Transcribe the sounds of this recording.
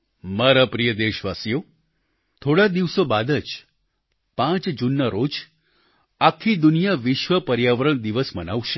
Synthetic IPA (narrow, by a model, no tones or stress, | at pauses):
maɾapɾijəd̪eʃʋasjo | t̪ʰoɽad̪iʋsobad̪əd͡ʒ | pãt͡ʃd͡ʒunːəɾod͡ʒ | akʰːid̪unijaʋiʃʋəpəɾjaʋəɾəɳ̃d̪iʋəsmənaʋʃe